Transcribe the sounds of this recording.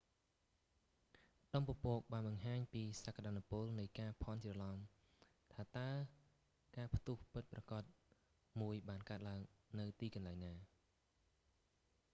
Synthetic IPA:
ɗɑmpopoːk̚ɓaːnɓɑŋɦaːɲpiːsakːaɗaːnupʊlnɨjkaːpʰɑnt͡ɕrəlɑŋ | t̪ʰaːt̪aə | kaːpʰt̪uhpɨt̪̚prɑkɑt̪̚ | muəjɓaːnkaət̪̚laəŋnɨwt̪iːkɑnlaɛŋnaː

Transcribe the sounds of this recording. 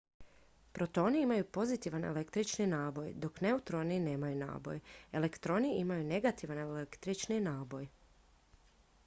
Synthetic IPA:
pɾo̞t̪o̞ːniimajupo̞zit̪iʋane̞̰lekt̪ɾit͡ʃninaːbo̞jd̪o̞kneut̪ɾo̞nine̞ːmajuna̰ːbo̰je̞lekt̪ɾo̞niimajune̞ɡat̪iʋanelekt̪ɾit͡ʃninaːbo̞j

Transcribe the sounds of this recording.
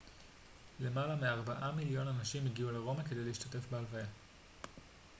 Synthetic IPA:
le̞malameaʁbaʔamiljo̞nanaʃimiɡiuleʁo̞make̞dejleiʃtate̞fbealvaja

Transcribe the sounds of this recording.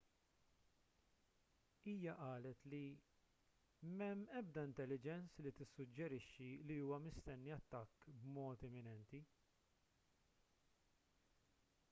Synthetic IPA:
iːjɐʔɐːlɛt̪li | mɛmːɛb̚d̪ɐɪnt̪ɛlːɪd͡ʒɛnslit̪ɪsːʊd͡ʒːɛɾɪʃːiliuːwɐmɪst̪ɛnːiɐt̪ːɐkːbmɔːt̪ɛmːɪnɛnt̪i

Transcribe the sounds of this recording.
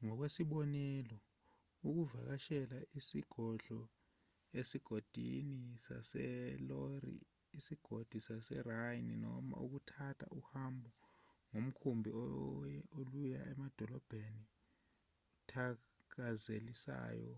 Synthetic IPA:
ŋɔk̬wesiɓɔnɛlɔ | uk̬uvak̬aʃɛlaʔisiɡ̥ʱɔɮɔ | esiɡ̥ʱod̥ʱḭnisa̰sɛlɔrḭː | siɡ̥ʱod̥ʱisasɛrajnnɔ̰ma̰uk̬utʰatʰa̰ʔuhambʱɔŋom̩kʰumbʱi | olujaʔɛmad̥ʱɔlɔb̥ʱeni | utʰak̬azelisa̰ːjɔ̰

